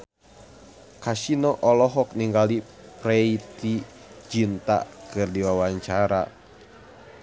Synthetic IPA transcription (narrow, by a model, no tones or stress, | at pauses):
kasinɔʔɔlɔɦɔk̚niŋɡali | pɾɛit̪i | d͡ʒint̪a̰kɨrdiwawaɲt͡ʃaɾa̰